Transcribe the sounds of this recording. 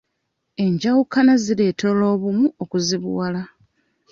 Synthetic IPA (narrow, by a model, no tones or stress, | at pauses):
e̞ɲɟawukanazile̞ːtolo̞ːβumuokuziβṵwala